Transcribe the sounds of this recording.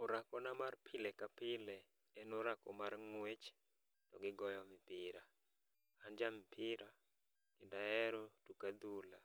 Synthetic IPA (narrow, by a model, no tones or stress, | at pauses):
oɾakɔnamarpʰɪlɛkapɪlɛ | ɛnoɾakɔ̰marŋwet͡ʃ | tɔɡɪɡɔjɔmɪpɪɾa | and͡ʒamɪpʰɪɾa | ɡ̥ɪndaɛɾotukad̪ula